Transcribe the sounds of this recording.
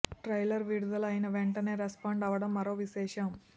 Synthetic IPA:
ʈɾɐjlɐɾʋiɽud̪ɐlɐjinɐʋeɳʈɐne̞ːɾespaːɳɖɐʋɐɽɐmːɐɾoːʋiʃɛːʂɐm

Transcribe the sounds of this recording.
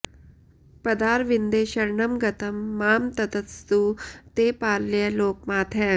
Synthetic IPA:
pɐd̪aːɾʋind̪eːʃɐɾɳɐmɡɐt̪ɐmːaːmt̪ɐt̪ɐt̪st̪ut̪eːpaːllejɐloːk̚maːt̪ʰɦɛː

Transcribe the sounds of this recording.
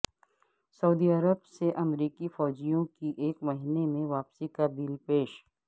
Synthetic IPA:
sɐuːd̪iɐɾəbseʔɐmɾiːkifɔːd͡ʒijõkiʔeːkmɐɦinemẽʋaːpsikabilpeːʃ

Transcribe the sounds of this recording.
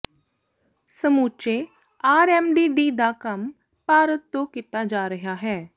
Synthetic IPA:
səmuːt͡ʃeː | aːɾɛːmɖiːɖiːd̪aːkəm | paːɾət̪ːõːkit̪aːd͡ʒaːɾəɦaːɦɛː

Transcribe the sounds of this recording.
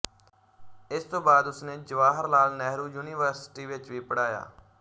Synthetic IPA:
ɪst̪õːbaːd̪ʊsneːd͡ʒəʋaːɦəɾlaːlnɛːɦɾuːjuːniːʋəɾsɪ̥ʈiːʋɪt͡ʃʋiːpəɽaːja̰ː

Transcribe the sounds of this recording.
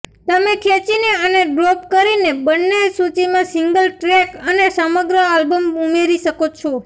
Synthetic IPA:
t̪əmẽkʰet͡ʃineəneɖɾɔp̚kəɾinebənːesut͡ʃimãsɪŋɡəlʈɾekənesəməɡɾəalbəmumeɾiʃəkot͡ʃʰɔ

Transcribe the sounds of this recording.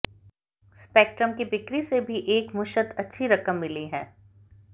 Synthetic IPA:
speːk̚ʈɾəmkibɪkɾisebʱiʔeːkmʊʃət̪ɐtːʃʰiɾɐkəmːɪliɦɛː

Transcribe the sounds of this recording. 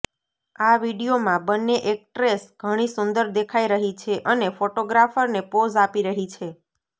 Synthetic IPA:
aʋiɽijomãbənːeʔek̚ʈɾesɡ̥ʱəɽ̃isund̪əɾd̪ekʰaiɾəɦit͡ʃʰeʔənefoʈoɡɾafəɾnepod͡ʒapiɾəɦit͡ʃʰe

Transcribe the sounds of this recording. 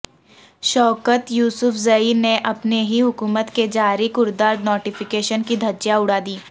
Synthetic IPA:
ʃɔːkət̪juːsʊfʰzɐiːneʔɐpneɦiɦʊkuːmət̪ked͡ʒaːɾikʊɾd̪aːɾnoːʈɪfɪkeːʃənkid̪ʱɐd͡ʒjaʊɽaːd̪iː

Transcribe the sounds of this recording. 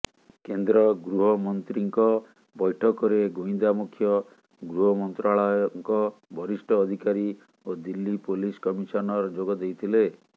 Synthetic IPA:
kend̪ɾɔɡɾuɦɔmɔnt̪ɾiŋkɔ | bɔjʈʰɔkɔɾeɡoĩnd̪amukʰjɔ | ɡɾuɦɔmɔnt̪ɾaɭɔjɔŋkɔbʱɔɾisʈʰɔːd̪ʱikaɾi | od̪ilːipoliskɔmiʃɔnɔɾɔd͡ʒoɡɔd̪ejt̪ʰile

